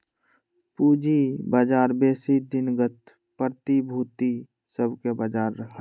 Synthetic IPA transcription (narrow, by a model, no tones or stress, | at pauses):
puːd͡ʒibad͡ʒaːɾbeːsid̪ɪnɡət̪ | pəɾt̪ibʱuːt̪i | səbkebaːd͡ʒaːɾːəɦə